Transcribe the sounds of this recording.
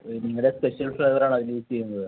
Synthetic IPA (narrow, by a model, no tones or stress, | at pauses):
niŋːɐɭɽe̞spe̞ɕɐlfrɐjʋɐɾaːɳɨɐðilit͡ɕːejɾunːɐðɨ